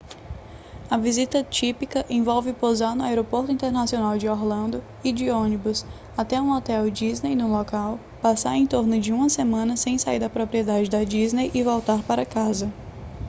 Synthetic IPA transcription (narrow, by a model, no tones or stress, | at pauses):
ɐvizit̪ɐt͡ʃipikɐʔẽvɔwvɪpozaɾnʊaeɾopoɾt̪ʊĩnt̪eɾnasionawd͡ʒɪɔɾlɐ̃nd̪ʊ | ɪd͡ʒɪõnibʊs | at̪ɛũɔt̪ɛwd͡ʒiznejnʊlɔkaw | pasaɾẽj̃t̪oɾnʊd͡ʒɪũmɐsemɐ̃nɐsẽj̃saiɾd̪ɐpɾopɾiɛd̪ad͡ʒɪd̪ɐd͡ʒiznejʔɪvɔwt̪aɾpaɾɐkazɐ